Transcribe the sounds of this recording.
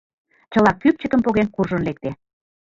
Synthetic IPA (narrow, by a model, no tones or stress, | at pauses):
t͡ɕə̆lɑkːyp̚t͡ɕə̆kəmpoɣenkurʒonlek̚t̪e